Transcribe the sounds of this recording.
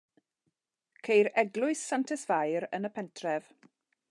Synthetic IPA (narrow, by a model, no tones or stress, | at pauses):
kʰejɾɛɡlʊɨsːantʰɛsv̥ajɾənəpʰɛntʰrɛv̥